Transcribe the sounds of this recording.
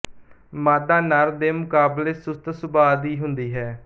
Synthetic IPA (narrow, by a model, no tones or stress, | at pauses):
maːd̪aːnaɾd̪eːmʊkaːbleːsʊst̪sʊbaːd̪iːɦʊnd̪iːɦɛː